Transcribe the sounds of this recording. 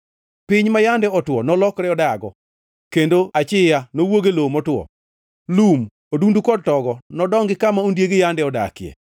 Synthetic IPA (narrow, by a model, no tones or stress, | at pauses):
pɪɲmajandɛɔtwɔnɔlɔkɾɛɔdaɡɔ̰ | kendoat͡ʃɪjanowoɡelomɔtwɔ̰ | lum | odundukɔd̚tɔɡɔnɔdɔŋɡɪkamaundjeɡɪjandɛɔda̰kɪḛ